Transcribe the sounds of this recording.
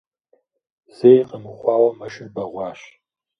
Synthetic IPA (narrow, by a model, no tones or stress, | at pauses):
z̥eːjqʼəmɨχʷɑːwɐmɐʃɪnbɐʁʷɑːʃ